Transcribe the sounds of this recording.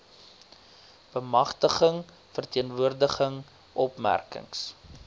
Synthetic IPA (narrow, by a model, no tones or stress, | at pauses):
b̥əmɐχtəχəŋ | fərtiənvuərdəχəŋ | ʔɔpmæ̰rkə̰ŋs